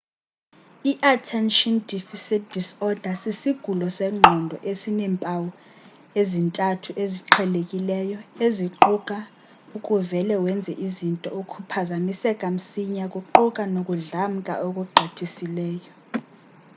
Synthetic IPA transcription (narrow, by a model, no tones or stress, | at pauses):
iʔatʰɛnʃɔndifisitd̥ʱisɔd̥ʱasisiɡ̥ʱulɔsɛŋ͡ǃʱɔndʱɔ̰ʔesinɛmpʼawɔ | ezintʼatʰuʔeziǃʰɛlekʼilɛjɔeziǃukʼa | ukʼuvɛlɛwɛnd͡zʱɛʔizintʼɔ̰ukʰupʰazamisɛkʼam̩siɲakʼuǃukʼanokʼuɮam̩kʼa̰ʔokʼuɡ͡ǃʱotʰisilɛːjɔ